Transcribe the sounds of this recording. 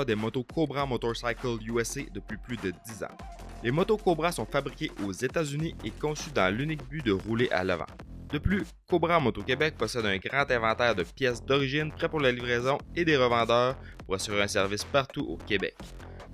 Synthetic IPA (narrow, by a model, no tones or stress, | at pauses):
d̪emɔt̪okʰobʁamɔt̪ɔʁsajkəluɛsed̪əpɥiplyd̪əd̪izɑ̰̃ | lemɔt̪okobʁasɔ̃fabʁikʲeʔozet̪azyniekɔ̃syd̪ɑ̃lynɪk̚byd̪əʁuleʔa̰la̰vã̰d̪əply | kobʁamɔt̪okʲebɛk̚pɔsɛd̪ɛ̃ɡʁɑ̃t̪ɛ̃vɑ̃t̪ɛːʁd̪əpjɛsd̪ɔʁiʒɪnpʁɛpuʁlalivʁɛːzɔ̃ed̪eʁəvɑ̃d̪œːʁpuʁasyʁiʁɛ̃sɛʁvɪspaʁt̪uʔo̰kʲebɛ̰k